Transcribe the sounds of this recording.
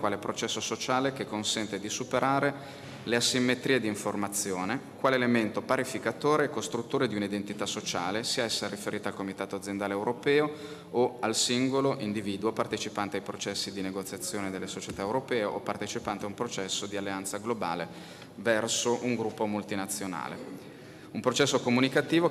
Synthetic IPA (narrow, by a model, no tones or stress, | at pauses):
kwaːlepɾot͡ʃɛsːosot͡ʃaːlekekːonsɛnt̪ed̪isupeɾʔaːɾe | leasːimːet̪ɾiːed̪iiɱformat̪sːjoːnekwaːleːlement̪opaɾifikat̪oːɾekːost̪ɾut̪ːoːɾed̪iunaid̪ent̪it̪asːot͡ʃaːlesiːaɛsːarifeɾʔiːt̪alkomit̪aːt̪oad̪zjend̪aːleːwɾʔopɛːo | oalsiŋɡoloʔind̪iviːd̪uopart̪et͡ʃipant̪eajpɾot͡ʃɛsːid̪ineɡot̪sjat̪sːjoːned̪elːesot͡ʃet̪aewɾopɛːeʔopːart̪et͡ʃipant̪eaumpɾot͡ʃɛsːod̪ialːeant̪saɡloba̰ːle | vɛrsoʔuŋɡɾupːomult̪inat̪sːjona̰ːlḛ | umpɾot͡ʃɛsːokomunikat̪iːvo